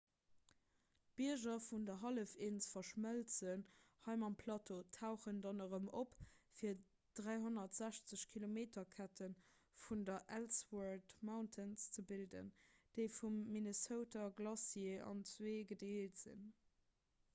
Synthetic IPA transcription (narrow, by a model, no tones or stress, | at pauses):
b̥iɐʑɐfundɐɦɑləfeːnt͡səfɐʃməlt͡sənhɑɪmɑmpʰlɑːtʰotʰaʊχəndɑnəʁəmopfiːɐ | d̥ʁæɪɦonɐtz̥æɕt͡səɕkʰilomeːtɐkʰætʰən | fundɐʔælswaɹtmaʊntʰənst͡səbildə̰nd̥əɪfumːinəsəʊtɐɡlɑsjeɑ̰nt͡sweːɡədeːtz̥ḭn